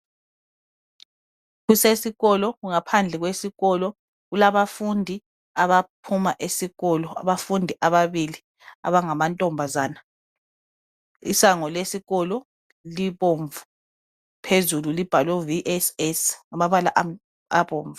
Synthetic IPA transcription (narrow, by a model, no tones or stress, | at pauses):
ɣusesiɣɔlɔɣuŋapʰand͡ɮʱɛɣwesiɣɔlɔ | ɣulaβafundʱi | aβapʰumaʔesiɣɔlɔa̰βafundʱiʔaβaβili | a̰βaŋamantʼɔmbʱazaːna | ḭsaŋɔlesiɣɔlɔ | liβoɱvu | pʰezululib̥ʱalɔviʔɛsɛsŋamaβalaʔ | aβoːɱvu